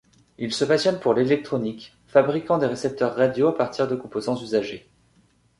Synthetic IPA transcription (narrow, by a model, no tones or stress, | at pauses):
ilsəpasjɔnpuʁlelɛk̚t̪χɔnik | fabʁikɑ̃d̪eʁesɛp̚t̪œʁːad̪joapaʁt̪ʰiʁd̪əkɔ̃pozɑ̃zyzaʒe